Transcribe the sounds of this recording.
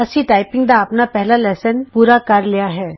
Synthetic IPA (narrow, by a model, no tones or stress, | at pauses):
ɐsiʈaːɪpɪ̃ŋɡd̪aɐpnapɛɦlalɛːsənpuːɾakɐɾlijaɦɛː